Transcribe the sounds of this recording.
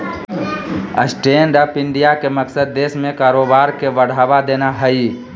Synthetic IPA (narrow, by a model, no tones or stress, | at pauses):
ə̰sʈeːnɾəpɪ̃ɳɖijakemɐksəd̪ːeːsmẽkaːɾoːbaːɾkeʋəɽ̤aːʋad̪eːnaɦɛi